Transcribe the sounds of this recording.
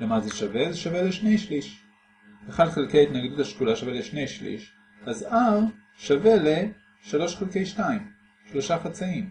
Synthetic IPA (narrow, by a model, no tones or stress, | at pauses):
lemazeʃavezeʃaveleʃnejʃliʃ | eχadχelkejait̪naɡduthaʃkulaʃaveleʃnejʃlḭʃ | azaʁ | ʃavele | ʃaloʃχelkejʃtaim | ʃloʃaχat͡saim